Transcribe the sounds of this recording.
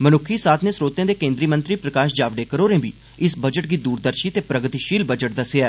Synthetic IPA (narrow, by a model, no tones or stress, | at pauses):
mənʊkʰiːsaːt̪ʰnẽːsɾoːt̪jãːd̪eːkẽːnd̪ɾiːmənt̪ɾiːpɾəkaːʃd͡ʒaːʋɖeːkəɾoːɾẽːbḭː | ɪsbəd͡ʒəʈɡiːd̪uːɾd̪əɾʃiːt̪eːpɾəɡt̪iːʃiːlbəd͡ʒəʈ̚d̪əseaː